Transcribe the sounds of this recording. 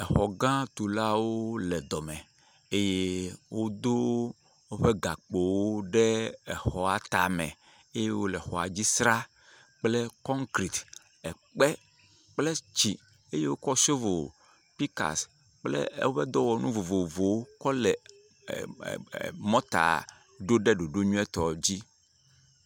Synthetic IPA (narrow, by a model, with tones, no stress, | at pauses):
ɛ˨xɔ˨ɡã˦t̪u˨la˦wo˦lɛ˨d̪ɔ˨mɛ̃˨ | e˦je˦wo˦d̪o˦ | wo˦ɸe˦ɡa˨k͡po˨wo˦ɖɛ˦ɛ˨xɔ˨a˨t̪a˨mɛ̰̃˨ | e˦je˦wo˦lɛ˨xɔ˨a̰˨d͡ʑi˦sɾa˦ | k͡ple˦kɔ˦ŋkɾi˨t̪ | ɛ˨ | k͡pɛ˦ | k͡ple˦t͡ɕi˨ | e˦je˦wo˦kɔ˦so˦vo˨ | pi˦ka̰˨s | k͡plḛ˦wo˦ɸɛ˦d̪ɔ˦wɔ˨nũ˦vo˨vo˨vo˨wo˦kɔ˦lɛ˨ | mɔ̃˦t̪a̰˨ | ɖo˦ɖɛ˦ɖo˨ɖo˦ɲũ˦ɛ˦t̪ɔ˨d͡ʑi˦